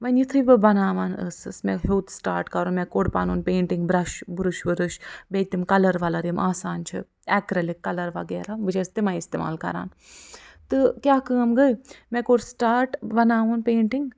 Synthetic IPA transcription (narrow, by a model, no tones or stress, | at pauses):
ʋɐnjit̪ʰɨbɨbɐnaːʋaːnə̰sɨsmɛɦuːt̪ʰsʈa̰ːɾʈkɐɾunmɛ̃koːɖpa̰ːnuːnpeːɳʈiŋɡbɾɐʃbɾɨʃʋɨɾɨʃbeːt̪imkɐlɐɾʋɐlɐɾimʔaːsaːnt͡ʃʰḭ | ɛkɾɐlikːɐlɐɾʋɐ̰ɡeːɾabɨd͡ʒɐst̪emɐ̃ist̪ḛːma̰ːlkɐ̰ɾa̰ːn | t̪ɨkʲjaːkəːmɡɐjmɛ̃koɽsʈaːɾʈbɐnaːʋɐnpeːɳʈiŋɡ